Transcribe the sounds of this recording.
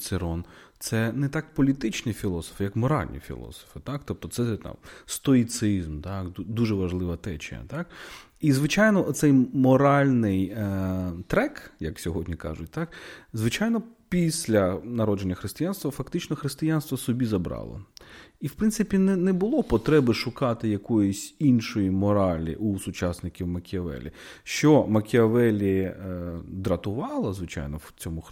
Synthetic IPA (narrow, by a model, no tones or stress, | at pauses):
t̪sɪɾɔnt̪sɛnɛt̪ɑkpɔlʲit̪ɪt͡ʃnɪfʲilˠɔsɔ̥fjɐkmɔɾɑ̰lʲnʲḭfʲḭlˠɔ̰sɔ̥fɪt̪ɑk̚t̪ɔp̚t̪ɔt̪sɛt̪ɑ̰mst̪ɔit̪sɪzmt̪ɑk̪d̪uʒɛʋɐʒlˠɪʋɐt̪ɛt͡ʃɪ̰ɐ̰t̪ɑk | izʋɪt͡ʃajnɔʔɔt̪sɛjmɔɾɑlʲnɪj | t̪ɾɛkjɐksʲɔɦɔdʲnʲikɑ̰ʒʊt̚ʲt̪ɑkzʋɪt͡ʃajnɔpʲisʲlʲɐnɐɾɔd͡ʒenʲːɐxɾɪst̪ɪjanst̪ʋɐfɐkt̪ɪt͡ʃnɔxɾɪst̪ɪjanst̪ʋɐsɔbʲizɐbɾɑ̰lˠɔ̰iwpɾɪnsɪpʲinɛnɛbʊlˠɔpɔt̪ɾɛbɪʃʊkɑt̪ɪjɐkɔjʊsʲinʃɔjimɔɾɑlʲḭʔusʊt͡ʃɑsnɪkʲiwmɐkʲɪɐʋɛ̰lʲḭ | ʃt͡ʃɔmɐkʲɪɐʋɛlʲi | d̪ɾɐt̪ʊʋɑlˠɐzʋɪt͡ʃɑ̰jnɔwt͡sʲɔmʊx